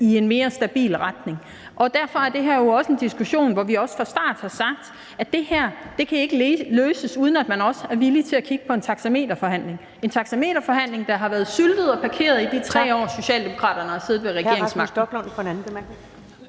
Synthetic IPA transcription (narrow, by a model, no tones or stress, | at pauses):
ie̝nme̝ːɐsd̥æb̥ḭːlʁad̥ne̝ŋ | ʔɒ̽d̥æɐ̰fɒ̽æɐd̥e̝ɦæɐ̰jo̝ɒ̽səe̝nd̥isɡ̥uɕo̝̰ːnʋɒʋiɒ̽sfʁɑ̈sd̥ɑ̰̈ːd̥hɑ̈sɑ̈ɡ̥̚d̥ | æd̥e̝hæɐ̰d̥e̝kʰæe̝ɡ̥əløːsəsuːð̞ˠən̩æd̥mænɒ̽səæɐʋilit͡sʰe̝ækʰiɡ̥əpʰɒ̽e̝nt͡sʰɑ̈ɡ̥sæme̝̰ːd̥ɐfɒ̽ɦhæn̰le̝ŋ | e̝nt͡sʰɑ̈ɡ̥sæme̝̰ːɾɐfɒ̽ɦæn̰le̝ŋd̥ɑ̈ɦɑ̈ʋæːɐð̞̩ˠsyld̥ð̞̩ˠɒ̽pʰɑ̈kʰe̝̰ːɐð̞̩ˠid̥it͡sʰʁɛ̰ːɒ̰ːso̝ɕɛ̰ːld̥emo̝kʰʁɑ̰̈ːdɾ̥ɐnəɒse̝ːð̞̩ˠʋeʁɛɡe̝ɐeŋsmɑ̈ɡ̥d̥ɡ̥ɔnfʰɒnæn̩̥